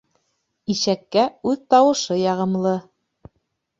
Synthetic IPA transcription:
iʃækːæʉðt̪ɑwɤ̆ʃɤjɑʁɤ̆mlˠɤ

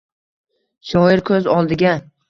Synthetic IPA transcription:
ʃɒɪɾkʰɵzɒlˠd̪ɪɡʲa

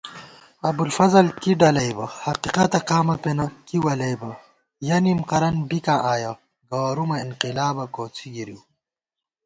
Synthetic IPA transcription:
ɐbulfɐzɐlkiɖɐlɐjbɐhɐqiqɐt̪ɐqaːmɐpenɐkiwɐlɐjbɐ | jɐnimqɐɾɐnbikãʔaːjɐ | ɡɐwaɾumɐinqilaːbɐkoːt͡sʰiɡiɾiw

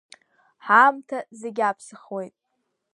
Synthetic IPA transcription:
ħamtʰazeɡʲapʰsɨχwe̞jtʼ

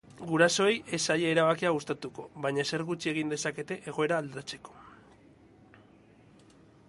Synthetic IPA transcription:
ɡuɾaso̞eje̞saʎeːɾaβakiaɣ̞ust̪at̪uko̞βajɲase̞ɾɣut͡ʃie̞ɣ̞ind̪e̞sake̞t̪e̞ʔe̞ɣ̞o̞e̞ɾaːld̪ɾat͡se̞̥ko̞̥

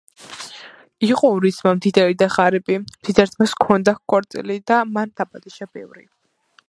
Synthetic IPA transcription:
iqʼɔɔɾismamd̪id̪ɛɾid̪aχaɾipʼimd̪̥id̪ɛɾt̪ʰmaskʰɔnd̪akkʼɔɾt̪sʼḭlid̪amand̪apʼad̪iʃabɛvɾḭ

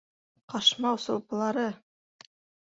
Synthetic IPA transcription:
qɑʃmɑwsŏlˠpɤ̆lˠɑɾɤ

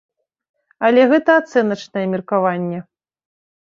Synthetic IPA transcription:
ɐlʲɛɣɛt̪ɐat̪sɛnɐt͡ʂnɐjɛmʲirkavanʲːɛ

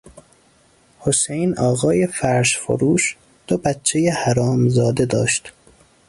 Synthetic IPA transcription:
hosejnɒːɣɒːje̞fæɾʃfo̰ɾuːʃ | d̪̥obætt͡ʃʰːejehæɾɒːmzɒːd̪e̞d̪ɒ̰ːʃt̪

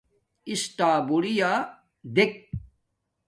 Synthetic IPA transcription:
isʈaːbuɽijaː | d̪ek̚

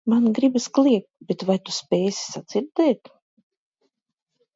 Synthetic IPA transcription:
manɡɾibasklʲˠiɛk̚t̪̚bɛt̪vajt̪u̥spʲɛːjsʲi̥sad̪z̥iɾd̪ɛːt̪

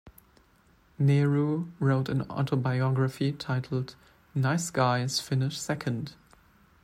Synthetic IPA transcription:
nɛɹuɹoʊɾɨ̃nɔ̰tʰobaɪɔɡɹəfitʰaɪtʰl̩ˠd | naɪsɡ̥aɪz̥fɪnɪʃsɛkʰə̃nd̥

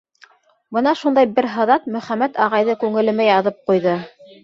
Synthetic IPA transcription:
bɤnɑʃund̪ɑjbɘɾɦɤ̆ðɑt̪̚mɵ̆χæmæt̪ɑʁɑjðɤkʉŋɘ̆lɘ̆mɘjɑðɤp̚qujðɤ

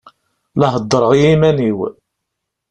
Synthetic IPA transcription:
lɑɦəd̪ˤːəɾˤəʁijimæniw

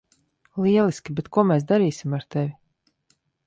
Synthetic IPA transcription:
liɛlˠiskʲibɛt̪kuɔmɛːs̬d̪aɾiːsimaɾt̪ɛvʲi

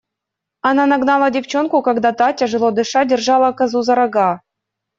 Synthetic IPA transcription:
ananaɡnɑlˠadʲɪft͡ɕonkukaɡd̪at̪atʲeʐɨlˠod̪ɨʂadʲɪrʐɑlˠəkazuzɑɾɑɡɑ

